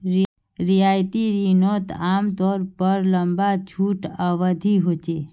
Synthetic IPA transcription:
ɾ | ɾijaːjt̪iɾinot̪aːmt̪ɔːɾpəɾləmbat͡ʃʰuːʈəʋəd̪ʱiɦot͡ʃe

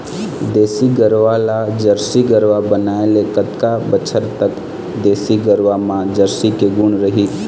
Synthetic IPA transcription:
d̪eːsiɡəɾʋalad͡ʒəɾsiɡəɾʋabənaːelekət̪kabət͡ʃʰəɾt̪ək | d̪eːsiɡəɾʋamãd͡ʒəɾsikeɡunɾəɦi

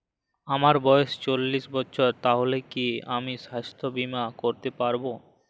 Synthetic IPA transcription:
amaɾbɔjeʃt͡ɕolːiʃbɔtːɕʰoɾt̪aɦolekiamiʃast̪ʰobimakoɾt̪epaɾbo

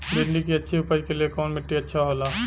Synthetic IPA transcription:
ɾɪɳɖikiɐtːʃʰiʊpəjkeliekɔːnmɪʈːiɐtːʃʰaɦoːlaː

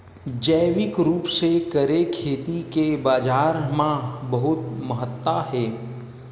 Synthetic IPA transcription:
d͡ʒəːʋɪkɾuːpsekəɾekʰeːt̪ikebaːd͡ʒaːɾmãbəɦʊt̪̚məɦət̪ːaɦɛː

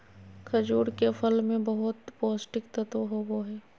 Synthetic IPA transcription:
kʰɐd͡ʒuːɽkefʰəlmẽbɐɦʊt̪pɔːsʈɪkt̪ɐt̪oɦoboɦɛː

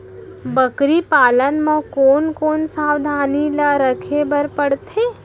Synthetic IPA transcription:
bəkɾipaːlənmãkoːnkoːnsaːwd̪ʱaːnilaɾəkʰebəɾpəɽt̪ʰeː

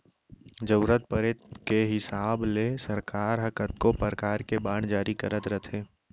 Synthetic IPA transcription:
d͡ʒəʊɾət̪̚pəɾet̪keɦɪsaːblesəɾkaːɾɦəkət̪kopəɾkaːɾkebaːɽ̃d͡ʒaːɾikəɾət̪ɾət̪ʰeː

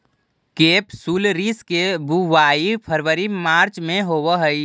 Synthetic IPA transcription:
keːpsuːlɾiːskebʱuʋaːipʰəɾʋəɾimaːɾt͡ʃmẽɦowəɦəi

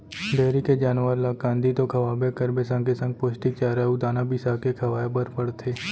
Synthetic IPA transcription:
ɖeːɾiked͡ʒaːnʋəɾlaːkãːnd̪it̪okʰɐʋaːbekəɾbesɐ̃ŋkesɐ̃ŋɡ̚poːsʈɪk̚t͡ʃaːɾaud̪aːnabɪsaːkekʰɐʋaːjebəɾpəɽt̪ʰeː

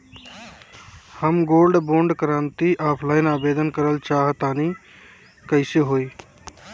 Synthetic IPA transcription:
həmɡoːlɖbõːɳɖkɾãːnt̪iʔaːpʰlaːɪnaːbeːd̪ənkəɾəlt͡ʃaːɦt̪ani | kəɪseɦoːi

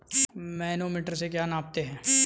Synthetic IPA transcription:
maːnomiːʈəɾsek̬jaːnãːp̚t̪eɦɛ̃ː

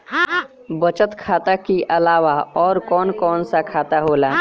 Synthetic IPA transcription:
bət͡ʃət̪kʰaːt̪akiʔɐlaːʋaɔːɾkɔːnkɔːnsakʰaːt̪aɦoːla

